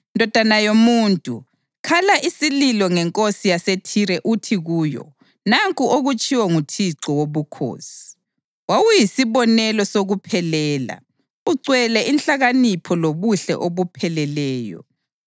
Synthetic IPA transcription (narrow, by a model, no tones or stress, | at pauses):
ndʱɔd̥ʱanajomuːntʼu | kʰalaʔisililɔŋɛŋkʼosijasetʰiɾɛʔutʰiɣuːjɔ̰ | naŋkʼuoɣut͡ʃʼiwɛŋutʰiǀɔwoβukʰo̰ːsi̥ | wawujisiβɔnɛlɔsoɣupʰɛlɛːla̰ | uǀwɛlɛʔinɬaɣanipʰɔloβuɬɛ̰ʔoβupʰɛlɛlɛːjɔ̰